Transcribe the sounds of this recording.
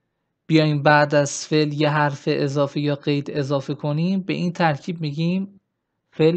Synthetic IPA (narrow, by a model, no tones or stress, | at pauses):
b̥ijɒːjimbæʔd̪æz̥fe̞ljeɦæɾfeʔezɒːfejɒːɢe̞jd̪e̞zɒːfekʰo̞niːmbe̞̰ʔiːnt̪ʰæɾcʰiːb̚miɟiːm | fel